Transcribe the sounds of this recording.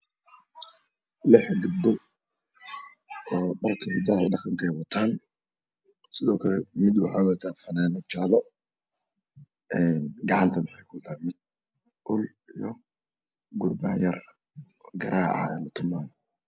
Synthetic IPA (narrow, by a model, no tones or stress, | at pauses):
lɪħɡʊd̪ɔ | ɔːɖɐrkʰɐhʊd̪ɐːɖɑqɑŋkʰɛjwɑt̪ʰaːn | sɪðɔːkʰɐlɛmɪd̪wɑħɑːwɑt̪ʰaːfɐnaːnɐt͡ʃaːlɔ | ʔɛːnɡɑʕɑnt̪ʰɐmɪħɛjkʰʊd̪ɐmɪd̪̚ | ʔʊl | ijɔ | ɡʊrbaːjɐr | ɡɐɾʔaːɐ̰ɛ̰lɐt̪ʰʊmaːm